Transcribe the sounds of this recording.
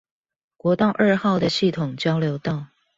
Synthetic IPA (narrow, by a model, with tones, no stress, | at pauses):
kwɔ˧˥t̪ɑ˥˧ʊʔə˞˥˧xɑ˥˩ʊd̪ə˩ɕi˥˩t̪ʰʊ˨˩ŋt͡ɕjɑ˥ʊljo˧˥ʊt̪ɑ˥˩ʊ